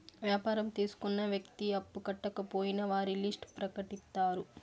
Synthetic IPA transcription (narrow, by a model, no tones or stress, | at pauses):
ʋjaːpaːɾɐmt̪iːsu̥kunːɐʋjɐkt̪iɐpːukɐʈːɐkɐpoːjinɐʋaːɾilisʈpɾɐkɐʈist̪ːaːɾu